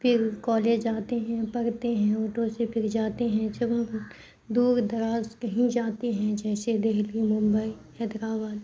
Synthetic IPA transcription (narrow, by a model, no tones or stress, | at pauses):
pʰɪɾkɔːleːd͡ʒd͡ʒaːt̪eɦɛ̃pɐɾt̪eɦɛ̃oːʈosepʰɪɾd͡ʒaːt̪eɦɛ̃d͡ʒɐbɦɐm | d̪uːɾd̪ɐɾaːzkɐɦĩd͡ʒaːt̪eɦɛ̃d͡ʒɛːsed̪eɦlimʊ̃mbəihɛd̪ɾaːbaːd̪